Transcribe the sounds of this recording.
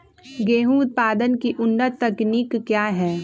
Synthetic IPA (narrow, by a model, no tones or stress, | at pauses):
ɡeːɦũʊt̪̚paːd̪ənkiʔʊnːət̪ːɐknikːjaːɦɛː